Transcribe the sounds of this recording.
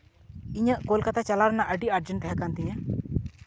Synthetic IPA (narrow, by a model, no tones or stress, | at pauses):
iɲəʔkolkat̪at͡ʃalaɾɛnaʔəɖiʔaɾd͡ʒɛɳʈɦakant̪ɛɲã